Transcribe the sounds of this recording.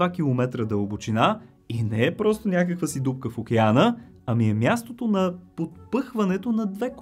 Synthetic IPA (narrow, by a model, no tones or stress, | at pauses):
akʲilˠomɛt̪ɾəd̪ɐobot͡ʃina | inɛɛpɾɔst̪onʲakəkvəsid̪up̚kəfokɛanə | ɐmiɛmjast̪ot̪onɐpot̪pɤxvɐnɛt̪onɐd̪vɛk